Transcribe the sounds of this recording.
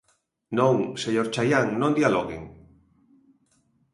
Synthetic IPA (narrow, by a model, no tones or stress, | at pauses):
nõŋseɲoɾt͡ʃajaŋnõnd̪ialoɣḛŋ